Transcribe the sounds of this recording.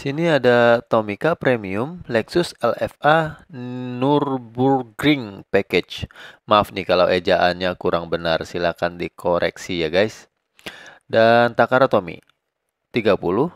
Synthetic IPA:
siniadat̪omikapɾemiʊmlɛksʊsɛlɛfa | nʊrbulɡɾɪŋpɛkɛt͡ʃmafnikalawʔed͡ʒaʔanɲakuɾaŋbənarsilakandikʰoɾʔɛ̰ksijaɡajs | dant̪akaɾat̪omḭ | t̪iɡapulʊh

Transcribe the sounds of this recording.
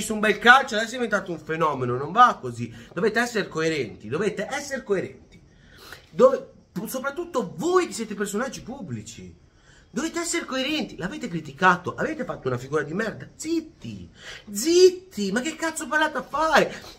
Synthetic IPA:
ist̪umbɛlkalt͡ʃoad̪ɛs̬ːod̪ivent̪aːt̪ouɱfenɔːmenonoɱvakːozid̪̥oveːt̪eɛsːeɾkoeɾɛnt̪id̪ovet̪eʔɛsːeɾekoeɾɛ̰nt̪i̥ | d̪oːve | psopɾat̪ːut̪ːovojk̟esːjɛːt̪epersonad͡ʒːipubːlit͡ʃḭ | d̪oveːt̪eɛsːeɾekoeɾɛnt̪ilaveːt̪ekɾit̪ikaːt̪oʔaveːt̪efat̪ːounafiɡuːɾad̪imɛrd̪ad̪zit̪ːḭd̪zit̪ːimak̟ːekːat̪sːopaɾlat̪afːaːɾe

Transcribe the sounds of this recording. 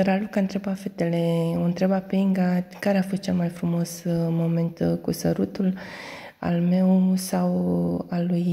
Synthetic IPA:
ɾalukant̪ɾebafet̪eleoɨnt̪ɾebapeiŋɡakaɾeafo̞st̪̚t͡ʃelmajfɾumo̞smo̞me̞nt̪kusəɾut̪ul | a̰lme̞wsawaluj

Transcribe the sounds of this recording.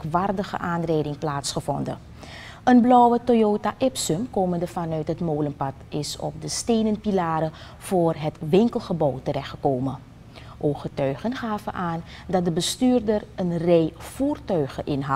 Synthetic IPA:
kʋaːrdəχə̰ʔaːnrɛjdɪŋplaːtsχəvɔndə̰ | ənblɔwətojoːtaʔɪpsɵmkoːməndəvɑnœɥtɦətmoːlənpɑtɪsɔ̰p̚dəstejnənpilaːɾə | v̥oːrɦətʋɪŋkəlˠχəbɔwtərɛxtχə̥koːmən | ʔoχətœɥχənχaːvənʔaːndɑt̚dəbəstyːrdərənrɛjfuːrtœɥχəʔɪnɦɑ

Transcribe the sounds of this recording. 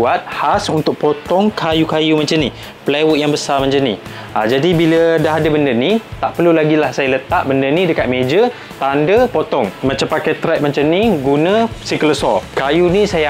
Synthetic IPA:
at̪̚hasunt̪ʊk̚pot̪ɔŋkʰajukajumãnt͡ʃamni | plewut̪̚jaŋbəsarmãɲt͡ʃamnḭ | ad͡ʒadibilədaɦadabəndənit̪aʔpərlulaɡilahsajalət̪aʔ̚bəndənĩdəkat̪̚mẽd͡ʒə | t̪andəpot̪ɔŋmãt͡ʃampakajt̪ɾɛt̚mãɲt͡ʃamniɡunə̃sikələsɔkajunisaja

